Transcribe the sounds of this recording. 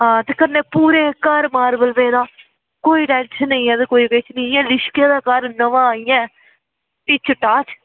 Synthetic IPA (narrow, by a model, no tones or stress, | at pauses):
ɦãːt̪eːkənːeːpuːɾeːkaːɾmaːɾbəlʋeːd̪aː | koːiːʈɛːnt͡ʃnəĩːɛ̃ːd̪ekoːiːpeːt͡ʃnəĩɛ̃ːlɪʃkjẽːd̪aːkaɾnəʋãːijɛ̃ː | piːt͡ʃʰəʈːaːt͡ʃ